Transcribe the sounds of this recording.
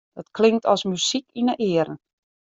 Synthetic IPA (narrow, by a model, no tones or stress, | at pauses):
d̥ɔtklɪŋktʰɔsmysikinəʔɪəɾən̩